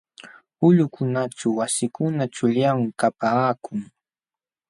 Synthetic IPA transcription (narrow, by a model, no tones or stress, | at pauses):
ʊʎʊkʰʊnaʈ͡ʂawasɪkʊnat͡ʃʊʎawɪkapaːkʊŋ